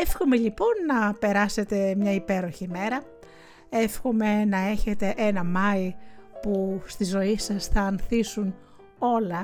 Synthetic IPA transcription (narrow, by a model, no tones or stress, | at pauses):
efxome̞ʎipo̞nːɐpe̞ɾɐse̞t̪e̞mɲɐipe̞ɾo̞çime̞ɾɐ | e̞fxome̞nɐe̞çe̞t̪e̞ʔe̞nɐmɐipust̪izo̞isɐsθɐːnθisun | o̞lɐ